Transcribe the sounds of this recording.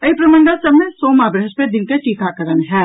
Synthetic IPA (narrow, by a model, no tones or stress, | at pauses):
ɐipɾɐmə̃ɳɖasɐbnẽsoːmaːbɾɦəʃped̪ɪnkeʈiːkʰakɐɾənɦɛː